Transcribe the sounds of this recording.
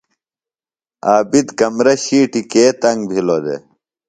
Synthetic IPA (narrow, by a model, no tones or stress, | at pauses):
aːbid̪kɐmɾɐɕiːʈikeːt̪ɐŋɡbʱilod̪ḛ